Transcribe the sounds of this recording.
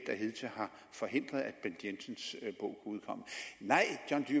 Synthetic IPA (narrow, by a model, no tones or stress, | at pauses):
d̥æhe̝ðˠt͡sʰehɑ̈ | fɒ̽ɦe̝n̰d̥ʁɐðˠæd̥b̥end̥jensənsb̥ɔ̰ʊ̰kʰuuð̞ˠkʰɒ̽m̰ənɑ̈ɪ̰d̥jɒnd̥y